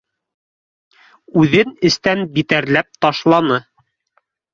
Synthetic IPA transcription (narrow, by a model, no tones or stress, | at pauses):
ʉðɘnɘ̆st̪ænbit̪æɾlæp̚t̪ɑʃlˠɑnɤ